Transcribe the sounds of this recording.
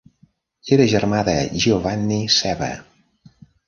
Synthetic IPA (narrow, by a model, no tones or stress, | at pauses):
eɾəʒəɾmaðəʒiovanːisɛβə̰